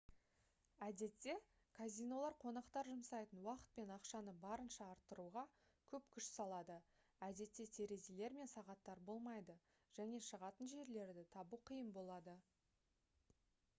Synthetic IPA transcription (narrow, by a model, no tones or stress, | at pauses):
æd̪e̞t̪ːe̞ | kʰazʲijno̞lˠɑɾqʰo̞nɑqt̪ɑɾʒʊmsɑjt̪ənwɑqə̥t̪̚pe̞nɑqʃɑnəbɑɾənʃɑːɾt̪ːəɾuʁɑ | kʲʰɵpkʲʰʏʃsɑlˠɑd̪ə | æd̪e̞t̪ːe̞t̪ʰe̞ɾe̞zele̞ɾme̞nsɑʁɑt̪ːɑɾbo̞lˠmɑjd̪ə | ʒ̥æne̞ʃəʁɑt̪ənʒe̞ɾle̞ɾd̪ɪt̪ʰɑbuqʰəjəmbo̞lˠɑd̪ə